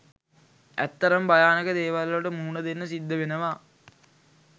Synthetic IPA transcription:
æ̰t̪ːɐɾəmbajaːnəkəd̪eːʋalːɐʈəmuːnəd̪enːəsid̪ːəʋenəʋa

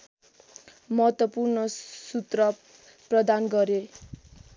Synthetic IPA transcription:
mʌɦʌt̪wʌpurnʌsut̪rʌ | prʌd̪anɡʌɾe

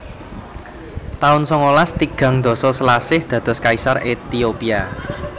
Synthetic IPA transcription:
t̪aʊnsɔŋolast̪iɡ̥ä̤ŋd̪̥ɔ̤sɔsəlasɪhd̪̥ä̤d̪̥ɔ̤skaisaret̪iopia

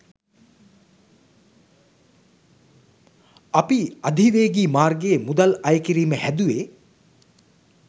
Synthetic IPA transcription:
ɐpiɐd̪ʱiʋeːɡiːmaːrɡeːmud̪ɐlɐjkiɾiːməhæd̪uʋeː

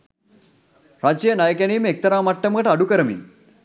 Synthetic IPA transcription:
ɾad͡ʑijənajəkjaniːmek̚t̪əɾamaʈːəmɡəʈaɽukəɾəmḭ

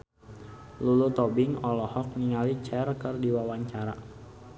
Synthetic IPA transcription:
lulut̪ɔbɪŋɔlɔhɔk̚niŋalit͡ʃɛrkərdiwawaɲt͡ʃaɾa

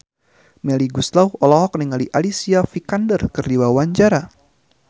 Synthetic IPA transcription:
mɛliɡuslawɔlɔɦɔk̚niŋaliʔalisiafikandərkɨrdiwawaɲt͡ʃaɾa

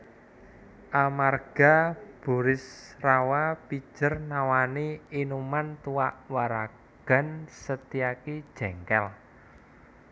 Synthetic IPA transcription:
ʔamarɡ̥a̤b̥ṳɾɪsrawapi̥ʒ̥ərnawaniinumant̪uaʔwaɾa | ɡ̥a̤nsət̪iakid̥ʒ̥ɛ̤ŋkɛl

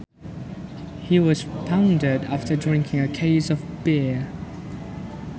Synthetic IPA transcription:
hiwɒz̥pʰãʊ̃ndədaftʰədɹɪ̃ŋkʰɪ̃ŋəkʰeɪzəvbɪə

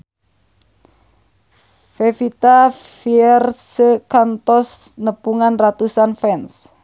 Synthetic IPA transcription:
fefit̪afiɛrsəkant̪ɔsnəpuŋanrat̪usanfɛns

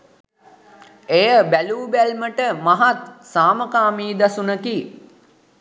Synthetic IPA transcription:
ejəbæluːbælməʈəmaɦat̪saːməkaːmiːd̪asunəki

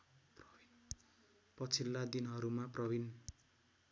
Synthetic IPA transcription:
pʌt͡sʰilːad̪inɦʌɾumaprʌbin

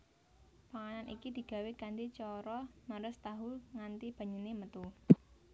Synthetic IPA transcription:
paŋananḭkid̪̥i̤ɡ̥ä̤wekand̪it͡ʃɔɾɔməɾʊst̪aɦuŋant̪ib̥ä̤ɲənemət̪u

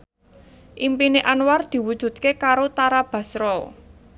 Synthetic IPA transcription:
ʔimpineʔanward̪̥i̤wud̥ʒ̥ṳd̪̚kekaɾot̪aɾab̥ä̤sɾɔ

